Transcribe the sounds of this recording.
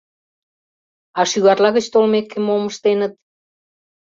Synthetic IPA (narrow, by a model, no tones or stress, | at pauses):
ɑʃyɣɑrlɑɣət͡ɕt̪olmekːemoməʃt̪enət̪̚